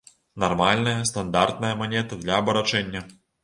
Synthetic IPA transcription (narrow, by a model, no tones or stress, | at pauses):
narmalʲnɐjɐst̪and̪art̪̚nɐjɐmanʲɛt̪ɨd̪lʲɐːbɐɾat͡ʂɛnʲːɐ